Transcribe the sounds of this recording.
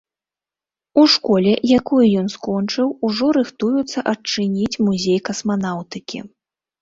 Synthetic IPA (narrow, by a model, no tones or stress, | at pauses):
uʂkɔlʲɛjakɔjjɔnskɔnt͡ʂɨwuʐɔɾɨxt̪ujut̪sːɐʔɐt͡ʂɨnʲit͡sʲmuzʲejkɐsmanawt̪ɨkʲʰḭ